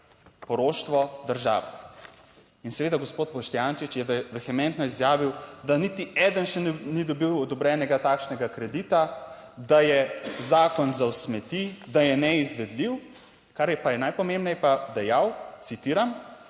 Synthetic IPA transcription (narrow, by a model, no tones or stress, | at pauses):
pɔɾoːʃt̪ʋɔd̪əɾʒa̰ːʋɛ | insɛʋeːd̪aɡospoːt̪̚bɔʃt̪ɛjant͡ʃit͡ʃjɛʋɛxɛmɛnt̪nɔizjaːʋiwd̪anit̪iɛd̪ənʃɛnid̪ɔbiwɔd̪ɔbɾɛːnɛɡat̪aːkʃnɛɡakɾɛd̪it̪a | d̪ajɛzaːkɔnzawsmɛt̪id̪ajɛnɛizʋɛd̪liw | kaɾjɛpajɛnajpɔmẽmbnɛjɛpad̪ɛjawt̪sit̪iɾam